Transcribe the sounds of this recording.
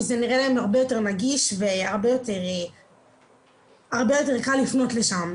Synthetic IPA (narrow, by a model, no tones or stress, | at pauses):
zeniʁelaemaʁbejo̞te̞ʁnaɡiʃveaʁbe̞jo̞te̞ʁ | aʁbe̞jo̞te̞ʁkalːifno̞tle̞ʃam